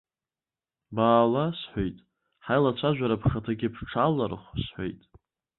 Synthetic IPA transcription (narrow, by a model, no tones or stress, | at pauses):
baːlasħʷojtʼ | ħajlat͡ɕʷʰaʒᶣʷaɾapʰχatʰaɡʲɪpʰʈ͡ʂʰalarχʷsħʷo̰jtʼ